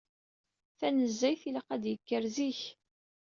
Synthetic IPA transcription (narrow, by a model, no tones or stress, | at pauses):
θænəzːæjθiləqæd̪jəkːəɾziç